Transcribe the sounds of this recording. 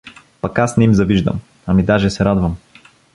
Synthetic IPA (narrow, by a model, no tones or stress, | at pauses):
pɐkasnɛimzɐviʒd̪ɐ̰m | ɐmid̪aʒɛsɛɾad̪vɐm